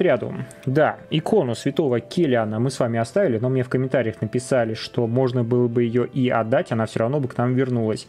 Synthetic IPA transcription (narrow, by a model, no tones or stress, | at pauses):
ɾʲad̪ʊ̰ | d̪aɪkʰo̞nʊsvʲɪt̪o̞vəkʲɪlʲanəmɨsvamʲɪɐst̪avʲɪlʲɪno̞mnʲe̞fkəmʲɪnt̪aɾʲɪjəxnəpʲɪsalʲɪʂt̪o̞mo̞ʐnəbɨlˠəbɨjɪjoʔiɐd̪ːatʲɐnafsʲoɾɐvno̞bɨknamvʲɪrnulˠəsʲ